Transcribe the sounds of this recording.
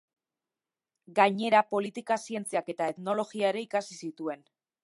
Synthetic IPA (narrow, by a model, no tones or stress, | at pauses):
ɡaɲe̞ɾapo̞lit̪ikasie̞nt͡siake̞t̪ae̞t̪no̞lo̞ɣiae̞ɾe̞ikasisit̪ue̞n